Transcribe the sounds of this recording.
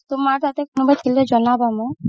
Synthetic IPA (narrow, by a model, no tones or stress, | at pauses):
t̪omaɾt̪at̪ekonobat͡ɕʰiled͡ʑɔnabamo